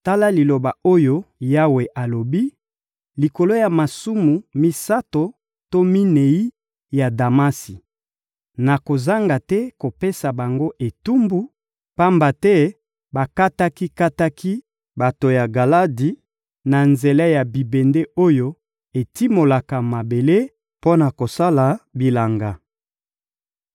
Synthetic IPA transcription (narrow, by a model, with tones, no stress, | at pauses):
ta˦la˦li˨lo˨ba˨o˦jo˦ja˦we˨ʔa˨lo˨bi˦ | li˨ko˨lo˦ja˨ma˨su˦mu˨mi˦sa˦to˨ | to˦mi˦ne˨i˦ | ja˨da˨ma˦si˨ | na˨ko˨za˦ŋɡa˨tɛ˦ko˨pe˦sa˨ba˨ŋɡo˦ʔe˨tu˦mbu˦ | pa˦mba˨tɛ˦ | ba˨ka˦ta˦ki˦ka˦ta˦kʰi˦ | ba˨to˨ja˨ɡa˨la˦di˨ | na˨nze˨la˦ja˨bi˨be˨nde˦ʔo˦jo˦ | e˨ti˦mo˨la˨ka˨ma˨be˨le˦ | po˦na˨ko˨sa˦la˨bi˨la˨ŋɡa˨